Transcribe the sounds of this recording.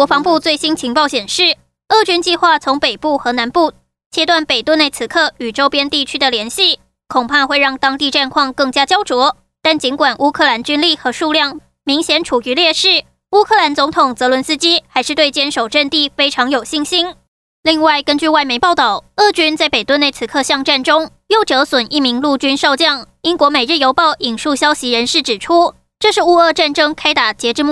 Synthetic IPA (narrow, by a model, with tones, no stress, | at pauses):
wɔ˧˥fɑ˧˥ŋpu˥˧t͡swe˥˩ɪɕi˥nt͡ɕʰi˧˥ŋpɑ˥˩ʊɕjɛ˨˩nʂɻ̩˥˩ | ɤ˥˧t͡ɕy˥nt͡ɕi˥˧xwa˥˩t͡sʰʊ˧˥ŋpe˨˩ɪpu˥˩xɤ˧˥na˧˥npu˥˩ | t͡ɕʰjɛ˥t̪wa˥˩npe˨˩t̪u˥˧ne˥˩ɪt͡sʰɹ̩˧˥˦kʰɤ˥˩y˨˩ʈ͡ʂo˥ʊpjɛ˥nt̪i˥˩t͡ɕʰy˥d̪ə˨ljɛ˧˥nɕi˥˩ | kʰʊ˨˩ŋpʰa˥˧xwe˥˧ɪɻɑ˥˩ŋt̪ɑ˥ŋt̪i˥˧ʈ͡ʂa˥˧nkʰwɑ˥˧ŋkɤ˥˩ŋt͡ɕja˥t͡ɕjɑ˥ʊt͡swɔ˧˥ | t̪a˥˩nt͡ɕi˧˥nkwa˨˩nʔu˥kʰɤ˥˩la˧˥nt͡ɕy˥nli˥˩xɤ˧˥ʂu˥˧ljɑ˥˩ŋ | mi˧˥ŋɕjɛ˧˥nʈ͡ʂʰu˨˩y˧˥ljɛ˥˧ʂɻ̩˥˩ | u˥kʰɤ˥˩la˧˥nt͡sʊ˧˥ŋt̪ʰʊ˨˩ŋt͡sɤ˧˥lwə˧˥nsɹ̩˥t͡ɕi˥xa˧˥ɪʂɻ̩˥˧t̪we˥˩ɪt͡ɕjɛ˥nʂo˨˩ʊʈ͡ʂə˥˧nt̪i˥˨˩fe˥ɪʈ͡ʂʰɑ˧˥ŋjo˨˩ʊɕi˥˩ŋɕi˥n | li˥˧ŋwa˥˩ɪkə˥nt͡ɕy˥˧wa˥˩ɪme˧˥ɪpɑ˥˩ʊt̪ɑ˨˩ʊɤ˥˩t͡ɕy˥nt͡sa˥˩ɪpe˨˩ɪt̪wə˥˧ne˥˩ɪt͡s̩ʰ˨˩˥kʰɤ˥˧ɕjɑ˥˧ŋʈ͡ʂa˥˩nʈ͡ʂʊ˥ŋ | jo˥˩ʊʈ͡ʂɤ˧˥swə˨˩nʔi˥˩mi˧˥ŋlu˥˩t͡ɕy˥nʂɑ˥˧ʊt͡ɕjɑ˥˩ŋi˥nkwɔ˧˥me˨˩ɪɻ̩˥˩jo˧˥ʊpɑ˥˩ʊʔi˨˩nʂu˥˩ɕjɑ˥ʊɕi˧˥ɻə˧˥nʂɻ̩˥˩ʈ͡ʂɻ̩˨˩ʈ͡ʂʰu˥ | ʈ͡ʂɤ˥˧ʂɻ̩˥˧u˥˧ɤ˥˧ʈ͡ʂa˥˩nʈ͡ʂɤ˥ŋkʰa˥ɪt̪a˨˩t͡ɕjɛ˧˥ʈ͡ʂɻ̩˥˧mu˥˩